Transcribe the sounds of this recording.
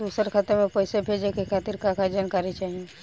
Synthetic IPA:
d̪uːsəɾkʰat̪əɾmẽpəɪsebʱed͡ʒekekʰaːt̪iɾkakad͡ʒaːnkaːɾit͡ʃaːɦie

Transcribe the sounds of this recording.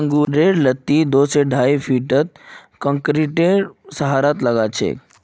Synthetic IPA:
ə̃ŋɡuɾeɾlət̪ːid̪oseɖʱaifʰiːʈət̪̚kə̃ŋkɾiʈeɾsəɦaɾat̪ləɡat͡ʃʰḛ

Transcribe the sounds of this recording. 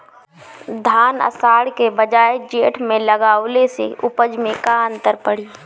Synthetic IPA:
d̪ʱaːnə̰saːɽkebəd͡ʒaːed͡ʒeːʈʰmẽləɡaːʊlesḛʊpəd͡ʒmẽkaə̃nt̪əɾpəɽ̤iː

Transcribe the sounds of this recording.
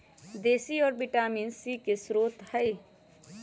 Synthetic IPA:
d̪eːsiɔːɾbɪʈaːmiːnsikesɾoːt̪həi

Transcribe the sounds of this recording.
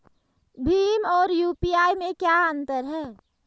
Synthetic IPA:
bʱiːmɔːɾjuːpiːaːimẽkjaə̃nt̪əɾɦɛː

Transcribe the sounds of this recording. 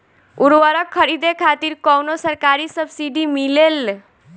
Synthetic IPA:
uɾwəɾəkʰːəɾid̪ekʰat̪iɾkɔwnosəɾkaɾisəbsiɖimilel

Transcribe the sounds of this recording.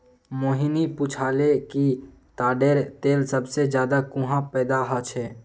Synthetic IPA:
moːɦiniput͡ʃʰaːleki | t̪aːɖeːɾt̪eːlsəbsed͡ʒjaːd̪akũɦãpɛːd̪aɦət͡ʃʰɛː

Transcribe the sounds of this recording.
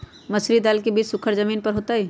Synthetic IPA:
mɐsɾid̪aːlkebiːt͡ʃsʊkʰəɾzəmiːnpɐɾɦoːt̪aɦɛː

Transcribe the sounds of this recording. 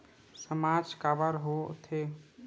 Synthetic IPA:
səmaːd͡ʒkabəɾɦot̪ʰe

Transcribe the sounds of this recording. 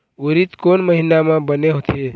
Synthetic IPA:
uɾit̪konməɦinamãbəneɦot̪ie

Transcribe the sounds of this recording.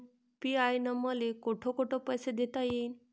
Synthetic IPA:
piajnəməlekoʈʰokoʈʰopəjsed̪ʱet̪ajen

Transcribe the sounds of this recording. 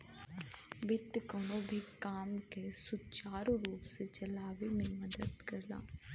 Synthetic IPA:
ʋɪt̪ːkɔnõbʱikaːmkesʊt͡ʃaːɾuɾuːpset͡ʃɐlaːʋemẽmɐd̪əd̪kɐɾla̰ː

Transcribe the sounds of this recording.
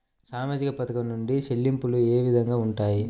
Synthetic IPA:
saːmaːd͡ʒikɐpɐt̪ɐkɐmnuɳɖiʃelːimpulueːʋid̪ʱɐŋɡaːuɳʈaːji

